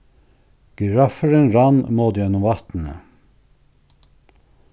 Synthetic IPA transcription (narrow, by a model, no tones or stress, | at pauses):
ɡ̥əɹɑfəɾenɾɑnmɔd̪jɛnʊmʋɑt̪n̩ə̰